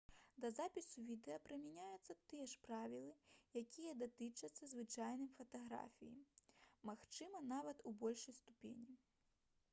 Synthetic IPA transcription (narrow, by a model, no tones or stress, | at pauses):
d̪ɐzapʲisuvʲid̪ɛjɐpɾɨmʲɛnʲajut̪sːɐt̪ɨjɛʂpɾavʲilˠɨjakʲʰijɐd̪at̪ɨt͡ʂɐt̪sːɐzvɨt͡ʂajnɨjfɐt̪aɣɾa̰fʲijḭmaxt͡ʂɨmɐnavɐt̪ubɔlʲʂɐjst̪upʲḛnʲi